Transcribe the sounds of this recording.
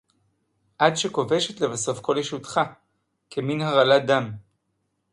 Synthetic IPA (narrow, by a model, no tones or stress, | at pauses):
ʔadʃeko̞ve̞ʃe̞t̪le̞vaso̞fko̞ljeʃutχa | kʰeminhaʁaladam